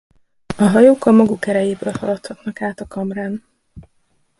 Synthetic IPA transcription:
ɒɦɒjoːkɒmɒɡukɛɾɛjeːbøːlhɒlɒt̪hɒt̪nɒkaːt̪ɒkɒmraːn

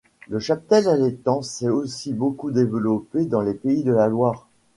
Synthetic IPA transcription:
ləʃap̚t̪ɛlalet̪ɑ̃sɛosibokud̪evəlɔped̪ɑ̃lepeid̪əlalwaːʁ

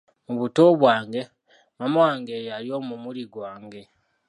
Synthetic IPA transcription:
muβuto̞βwaːŋɡe̞ | mamawaːŋɡe̞jaɾio̞ːmumuɾiɡwaːŋɡe̞

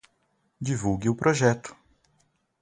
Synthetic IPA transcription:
d͡ʒivuwɡɪʊpɾoʒɛt̪ʊ̥

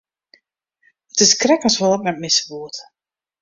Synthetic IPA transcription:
ətɪskrɛkənsʋɔlˠətnɛtmɪsə̥ʋuət

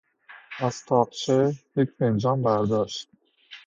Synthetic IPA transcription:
ʔæz̥t̪ʰɒːq̚t͡ʃʰejecʰpend͡ʒɒːmbæɾd̪ɒːʃt̪̚

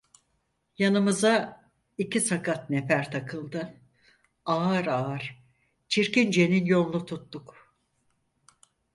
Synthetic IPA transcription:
janɯmɯza | icʰisakʰat̪nepæɾt̪ʰakʰɯlˠd̪ɯ | aːɾaːɾ̥ | t͡ʃʰiɾcind͡ʒe̞ninjo̞nˠlˠut̪ʰut̪ːuk

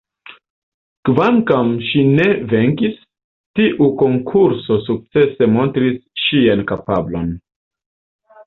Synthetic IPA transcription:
kvaŋkamʃine̞ve̞ŋkis | tiʔuko̞ŋkʰuɾso̞suk̚t͡se̞se̞mo̞ntɾisʃiankapablo̞̰n

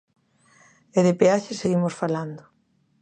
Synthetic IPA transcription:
eðepeaʃeseɣimosfaland̪ʊ

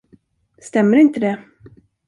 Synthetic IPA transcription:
st̪ɛmːəɾɪnt̪əd̪ɛ

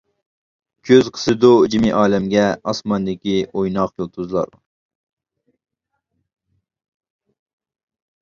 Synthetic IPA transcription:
kʲʰøzqʰə̥sɨd̪ud͡ʒimiʔɑːlɛmɡʲɛɑsmɑnd̪ɪkʲiojnɑqjolˠt̪ʰuzlˠɑ̰ɾ

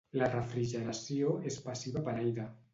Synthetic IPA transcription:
larefɾiʒeɾasjoespasiβapaɾajða

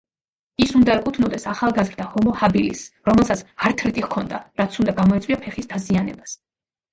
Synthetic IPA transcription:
isund̪aɾɛkʼut̪ʰnɔd̪ɛsaχalˠɡazɾd̪ahɔmɔhabilḭsɾɔmɛlˠsat̪saɾt̪ʰɾit̪ʼikʰɔnd̪a̰ɾat̪sʰund̪aɡamɔit̪sʼwiapʰɛχisd̪̥azianɛbas

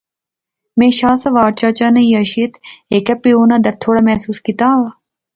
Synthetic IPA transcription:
mẽːʃaːsɐʋaːɾt͡ʃaːt͡ʃaːnaĩːəʃiːət̪ʰekəpioːnãːd̪at̪ʰoːɽaːmɛːsuːskit̪aːaː

